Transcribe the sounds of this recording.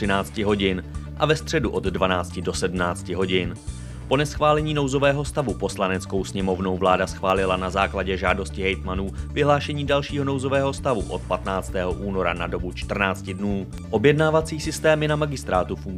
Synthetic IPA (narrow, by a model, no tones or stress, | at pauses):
ɪnaːt͡scɪɦo̞ɟɪnʔavɛst̪r̝̥ɛduʔo̞d̪dvanaːt͡scɪdo̞sɛdm̩naːt͡scɪɦo̞ɟɪn | po̞nɛsxvaːlɛɲiːno̞wzo̞vɛːɦo̞st̪avupo̞slanɛt͡sko̞wsɲɛmo̞vno̞wvlaːdasxvaːlɪlanazaːklaɟɛʒaːdo̞scɪɦɛjt̪manuːvɪɦlaːʃɛɲiːdalʃiːɦo̞no̞wzo̞vɛːɦo̞st̪avuʔo̞t̪̚pat̪naːt͡st̪ɛːɦoʔuːno̞ɾa̰nado̞but͡ʃt̪r̩naːt͡scɪdnuː | ʔo̞bjɛdnaːvat͡siːsɪst̪ɛːmjɛnamaɡɪst̪ɾaːt̪ufuŋ